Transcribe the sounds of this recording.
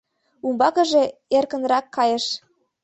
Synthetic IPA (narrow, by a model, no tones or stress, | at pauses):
umbɑkə̆ʒeerkə̆nrɑkːɑjə̆ʃ